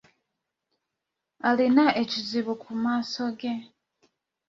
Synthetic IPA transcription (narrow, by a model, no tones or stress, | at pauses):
alinaʔeciziβukʰumaːso̞ɡe̞